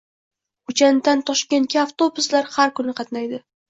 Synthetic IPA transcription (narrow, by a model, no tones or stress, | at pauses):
ʊt͡ʃʰant̪ant̪ʰɒʃkʲe̞nt̪̚kʲaːft̪obʊslaɾhaɾkʊnɪqʰɑt̪najd̪ɪ